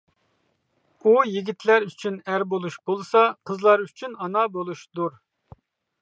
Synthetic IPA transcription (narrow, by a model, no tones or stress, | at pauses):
ujiɡʲit̪ʰlæɾyt͡ʃʰynæɾbolˠuʃbolˠsɑqʰəzlˠɑɾyt͡ʃʰynɑnɑbolˠuʃd̪uɾ